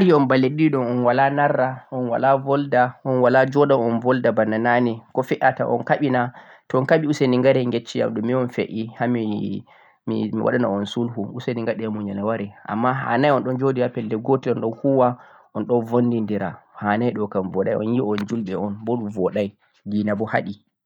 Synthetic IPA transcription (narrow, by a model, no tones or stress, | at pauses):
ɾiɔnbalːeɗiɗɔnɔnwalanarːaʔɔnwa̰lavɔldaɔnwalad͡ʒɔɗamɔnvɔldabanːananikɔfiʔata̰ʔɔ̰nkaɓina | tɔɔnkaɓiuseniŋɡaɾɛŋɡet͡ʃːija̰mɗɔmːiɔnfḛʔihami | mḭmḭwa̰ɗanaɔnsulhuuseniŋɡaɗijamuɲanawaɾɛʔa̰mːaɦa̰najɔnɗɔnd͡ʒodihapɛldɛɡotiɔnɗɔnhuwa | ʔɔnɗɔnvondindiɾa̰haːnajɗɔkamvɔɗajɔ̰njiɔnd͡ʒulɓɛɔnbɔɗumvɔɗaj | ɡinabɔha̰ɗi